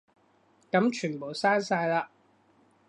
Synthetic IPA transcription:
kɐ˨˥mt͡ʃʰyː˨˩npo˨˩wsaː˥nsaː˧jlaː˧

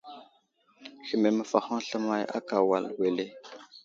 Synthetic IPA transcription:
xi˨me˨mə˨fa˨xa˦ŋ˦ɬə˦ma˦ja̰˦ka˨wa˨lwe˨le˦

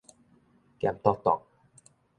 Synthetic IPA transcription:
kɛ˧˩˨mt̪ɔ˧t̪ɔ̰˨˩k̚

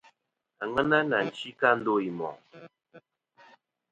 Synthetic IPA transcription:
a˨ŋə˦na˦na˨n̩˨t͡ʃi˦ka˦n̩˦do˦i˨mɔ̰˨ŋ

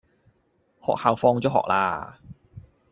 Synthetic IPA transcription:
hɔ̰ː˨˩k̚haː˨˩wfɔː˧ŋt͡sɔ˨˥ɦɔ̰ː˨k̚lʔa̰ː˧

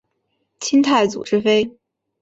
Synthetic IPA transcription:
t͡ɕʰi˥ŋt̪ʰa˥˩ɪt͡sṵ˨˩ʈ͡ʂɻ̩˥fe˥ɪ

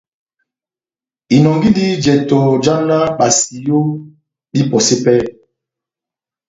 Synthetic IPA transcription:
i˨nɔ˨ŋɡi˦li˦d͡ʒɛ˨tɔ˨d͡ʒa˦na˦ɓa˨si˨jo˦ | ɗi˦pɔ˨se˦pɛ˦

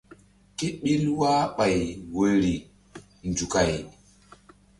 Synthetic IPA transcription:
ki˦ɓi˦lwaː˦ɓa˨jwo˨ɾi˨ | nd͡ʒu˨ka˨j

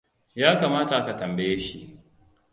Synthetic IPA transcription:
jaː˦kaː˨maː˦ta˨ʔa˦ka˨tɐ˨mbe˦je˦ʃi˨ʔ

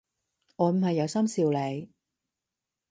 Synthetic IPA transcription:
ŋɔː˨˧m̩˨˩hɐ˨jːɐ˨˧wsɐ˥msiː˧wle˨˧j

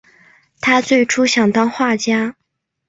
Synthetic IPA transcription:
t̪ʰa˥t͡swe˥˩ɪʈ͡ʂʰu˥ɕjɑ˨˩ŋt̪ɑ˥ŋxwa˥˩t͡ɕja˥

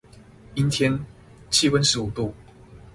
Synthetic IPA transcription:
i˦nt̪ʰjɛ˦n | t͡ɕʰi˦fə˦nʂɻ̩˨˦u˨˩t̪u˥˨

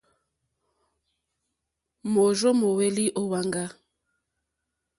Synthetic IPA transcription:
mo˨ʒɔ˦mo˨we˦li˦ʔɔ˦wa˦ŋɡa˦

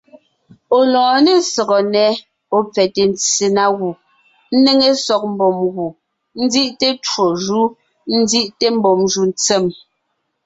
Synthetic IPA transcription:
o˨lɔ̃ː˨ne˦sɔ˨ɣɔ˨nɛ˨˦ | o˨p͡fɛ˨te˨n˦t͡se˨na˨ɣu˨ | n̩˦ne˦ŋe˦sɔ˨k̚m̩˦bɔ˨mɣu˨ | n̩˦d͡zi˦ʔte˦t͡ʃwo˨ʒu˦ | n̩˦di˦ʔte˦m̩˦bɔ˨mʒu˨n˦t͡se˦˨m

